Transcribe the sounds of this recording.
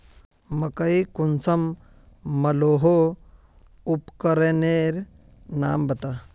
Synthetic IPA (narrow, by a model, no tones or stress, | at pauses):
mɐkɐikunsɐmː | ɐloːɦo | upkɐɾeneːɾ | naːmbɐt̪a